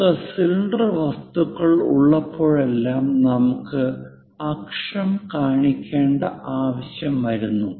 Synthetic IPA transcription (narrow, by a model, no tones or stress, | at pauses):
ɐsilɳɖrɨʋɐst̪uɣɐɭṵɭːɐpʰːo̞ːɭe̞lːaːmnɐmukːɨ | ɐkʂɐmkaːɳikʲːe̞ːɳɖɐʔaːʋɐɕjɐmʋɐɾunːu